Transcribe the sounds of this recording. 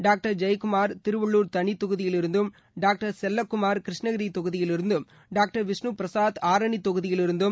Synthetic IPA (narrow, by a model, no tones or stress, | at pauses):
ɖaːk̚ʈɐɾd͡ʒɐjkʊmaːɾt̪ɪɾɯʋɐɭːuːɾt̪ɐɳit̪ːɔɣɯðɪjɪlɪɾɯnd̪ɯm | ɖaːk̚ʈɐɾsɛlːɐkːʊmaːɾkɪɾɪʂɳɐɣɐɾit̪ɔɣɯðɪjɪlɪɾɯnd̪ɯm | ɖaːk̚ʈɐɾʋɪsɳupɾɐsaːt̪aːɾɐɳit̪ːɔɣɯðɪjɪlɪɾɯnd̪ɯm